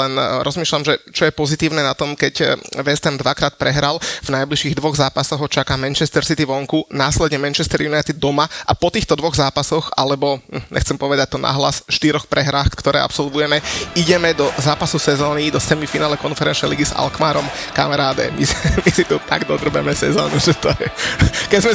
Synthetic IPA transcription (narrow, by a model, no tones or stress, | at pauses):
lɛnɾʔɔzmiːʃlamʒɛt͡ʃɔjɛpɔzit̪iːʊnɛnat̪ɔmkɛcʋɛst̪ɛmd̪ʋakɾaːt̪̚pɾɛɦɾalvnajbliʃiːɣd̪ʋɔɣzaːpasɔɣɦɔt͡ʃakaːmɛnt͡ʃɛst̪ɛɾsit̪iʋɔŋkunaːslɛd̪ɲɛmɛnt͡ʃɛst̪ɛɾjunajt̪id̪̚ːɔmaʔapɔt̪iːxt̪ɔd̪ʋɔɣzaːpasɔxa̰lɛbɔm̩ɲʔɛ̰xt͡sɛmpɔʋɛd̪ac̚t̪ɔnʔa̰ɦla̰sʃt̪iɾɔxpɾɛɦɾaːxktkt̪ɔɾɛ̰ːa̰psɔlʋujɛmɛiɟɛmɛd̪ɔzaːpasusɛzɔːnid̪ɔsɛmifinaːlɛkɔnfɛɾɛnt͡ʃnɛjliɡiza̰lkmaːɾɔmka̰mɛɾaːd̪ɛ̰mimisit̪ut̪a̰ɡd̪ɔd̪r̩bɛmɛsɛzɔ̰ːnuʒɛt̪ɔɛkɛzmɛ